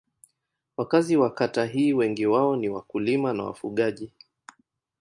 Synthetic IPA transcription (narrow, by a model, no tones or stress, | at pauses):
wakaziwakataɦiːwɛŋɡiwaɔniwa̰kulimana̰wa̰fuɠaʄi